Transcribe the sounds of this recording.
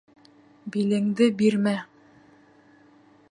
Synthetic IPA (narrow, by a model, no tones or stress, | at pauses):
bilɘ̆ŋd̪ɘbiɾmæ